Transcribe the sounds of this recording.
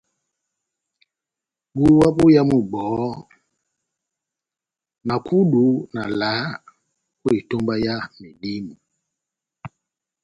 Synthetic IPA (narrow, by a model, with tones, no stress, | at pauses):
ɓu˦wa˦ɓo˦ja˦mu˨ɓɔː˨˦ | na˨kʰu˦du˨˦na˨la˨˦ | kwe˨to˦mba˦ja˦me˨di˦mi˨